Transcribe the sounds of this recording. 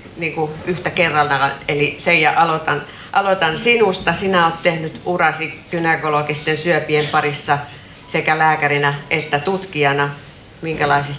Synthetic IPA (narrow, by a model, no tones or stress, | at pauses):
niːŋkuyht̪ækerːɑlnɑelisejɑʔɑlot̪ɑn | ʔɑlot̪ɑnsinust̪ɑsinæoːt̪t̪ehnyt̪urɑsikynekolokist̪ensyøpiempɑrisːɑ | sekælæːkærinæʔet̪ːæt̪ut̪kiɑnɑ | miŋkælɑisis